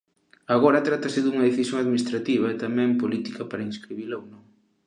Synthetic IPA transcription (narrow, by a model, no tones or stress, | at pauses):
aɣ̞oɾɐt̪ɾat̪ɐsɪðuŋɐðeθisjoŋaðminist̪ɾat̪iβɐɛt̪amɛ̃mpolit̪ikɐpaɾɐinskɾiβilauwnõŋ